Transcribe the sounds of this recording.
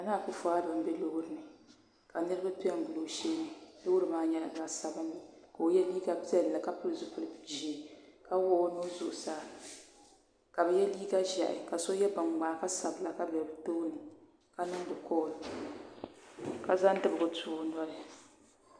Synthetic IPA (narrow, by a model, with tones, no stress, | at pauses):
a˨naː˦˨kʊ˦fo˨a˦bɨ˨m̩˦bɛ˦lo˦ɡɾɨ˨nɨ˨ | ka˨nɨ˦ɾɨ˦ba˦ti˦ɛ˦ŋ˦ɡu˨lo˨ʃeː˦nɨ˨lo˦ʊ˦ɾɨ˦maː˦ɲɛ˦la˨ɡa˨sa˨bɨ˦nːɨ˨ka˨o˨˦jɛ˦liː˦ɡa˦pi˦ɛ˦lːa˨ka˦pɨ˦ɨ˨zʊ˦pɨ˦lɨ˦˨d͡ʒi˨ka˦wɔ˦no˦zʊ˨ʔʊ˨saː˦ | ka˨bɛ˨jɛ˦liː˦ɡa˦ʒa̰˨ʔɪ̰˨ka˨so˦jɛ˦ba˨ŋ͡mɡ͡ba˨ka˦sa˨bla˨ka˦bɛ˨lɨ˨toː˦nɨ˨ | ka˦nɨ˦ŋ˦bɨ˨kɔ˦˨l | ka˨za˦n˦dɨ˦bɨ˨ɡʊ˨tu˨ʊ˦na˦ɾɨ˨